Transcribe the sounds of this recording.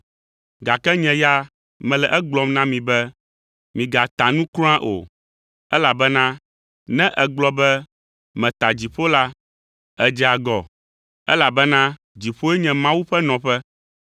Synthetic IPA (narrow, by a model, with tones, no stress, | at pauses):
ɡa˨kɛ˦ɲɛ̃˨ja˦ | mɛ̃˨lɛ˨ʔɛ˦ɡ͡blɔ˨mnã˦mĩ˨bɛ˦ | mĩ˨ɡa˨t̪a˨nũ˦klã˦ʔo̰˨ | ɛ˦la˨bɛ˦nã˦ | nɛ̃˦ʔɛ˨ɡ͡blɔ˦bɛ˦ | mɛ̃˨t̪a˨d͡ʑi˨ɸo˦la˦ | ɛ˨d͡ʒɛ˨a˨ɡɔ˨ | ɛ̰˦la˨bɛ˦nã˦ | d͡ʑi˨ɸo˦ɛ˦ɲɛ̃˨mã˦wu˦ɸɛ˦nɔ̃˨ɸɛ˦